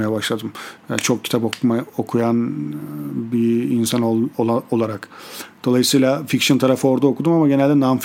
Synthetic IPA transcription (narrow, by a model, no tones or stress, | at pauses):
ajabaʃlˠad̪ɯmja̰t͡ʃʰo̞k̚cʲʰi̥t̪apomaokʰujan | biinsanoaolˠaɾakd̪̥o̞lˠajɯsɯjlˠafikʃɯnt̪ʰaɾafɯo̞ɾd̪aokʰud̪umamaɟenælʲd̪ɛnanf